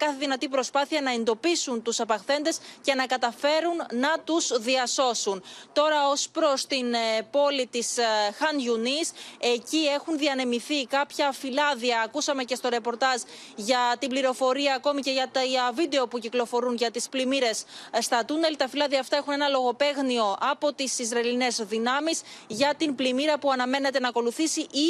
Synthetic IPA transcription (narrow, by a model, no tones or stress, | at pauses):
kɐθeðinɐt̪ipɾo̞spɐθiɐnɐe̞nd̪o̞pisunt̪usɐpɐxθe̞nd̪e̞sce̞nɐkɐt̪ɐfe̞ɾunːɐt̪uzðiɐso̞sunt̪o̞ɾɐo̞spɾo̞st̪inpo̞lit̪isxɐnʝunise̞cie̞xunðiɐne̞miθikɐpçɐfilɐðiɐːkusɐme̞ce̞st̪o̞ɾe̞po̞ɾt̪ɐz | ʝɐt̪ibliɾo̞fo̞ɾiɐːko̞mice̞ʝɐt̪ɐvid̪e̞o̞puciklo̞fo̞ɾunʝɐt̪isplimiɾe̞sst̪ɐt̪une̞lt̪ɐfilɐðiɐːft̪ɐe̞xune̞nɐlo̞ɣo̞pe̞ɣnio̞ʔɐpo̞t̪isizɾɐiline̞zðinɐmisʝɐt̪inplimiɾɐpuɐnɐme̞ne̞t̪e̞nɐko̞luθisiʔi